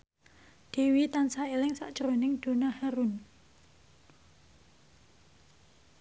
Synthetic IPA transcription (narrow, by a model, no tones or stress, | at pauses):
d̪̥e̤wit̪ansaelɪŋsa̰ʔd̥ʒ̥əɾonɪŋd̪̥o̤nahaɾun